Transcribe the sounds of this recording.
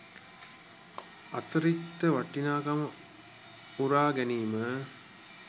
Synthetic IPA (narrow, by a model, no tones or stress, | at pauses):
ɐ̰t̪ɐɾit̪ːəʋɐʈːinaːkɐmɐ | uɾaːɡɛniːmə